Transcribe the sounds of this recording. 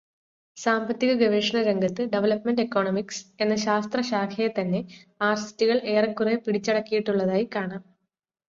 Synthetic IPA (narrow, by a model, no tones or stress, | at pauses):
saːmbɐt̪ːiɣɐɡɐʋeːʂɐɳɐɾe̞ŋɡʱɐt̪ːɨɖeʋɐlɐpmenɖekːo̞ːɳomikse̞nːɐɕaːst̪rɐɕaːkʰɐjɐt̪ɐnːe̞aːrsi̥tːiɣɐɭʔe̞ːrɐkːurepiɽit͡ɕːɐɽɐkːijiʈːuɭːɐðaːjikaːɳaːm